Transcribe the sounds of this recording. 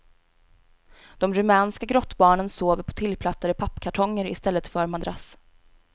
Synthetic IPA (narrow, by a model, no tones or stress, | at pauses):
d̪̥ɔmɾɵmɛːnskaɡɾɔt̪ːbɑːɳənsoːvəɾpʰɔ̥t̪ʰɪlːpʰlat̪ːad̪əpʰapːkʰaʈʰɔŋːəɾɪst̪ɛlːət̪fœɾmand̪ɾas